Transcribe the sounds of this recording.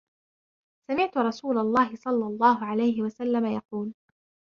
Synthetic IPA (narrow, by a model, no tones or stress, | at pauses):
samɪʕt̪ʊɾˤɑsuːlɑlˤːɑːɦɪsˤɑlːɑlˤːɑːɦʊʕalajɦɪwasalːamajɑquːl